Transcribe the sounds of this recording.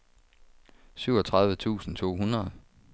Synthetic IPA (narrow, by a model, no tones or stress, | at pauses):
syʊ̰ɒ̽t͡sʰʁɑ̈ðˠʋət͡sʰṵːsn̩t͡sʰo̝̰ːɦunɐðˠ